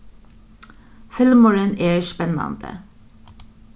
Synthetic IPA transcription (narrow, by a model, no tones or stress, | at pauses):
fɪlməɹəneːɹspɛnɑ̰nd̪̥ə̰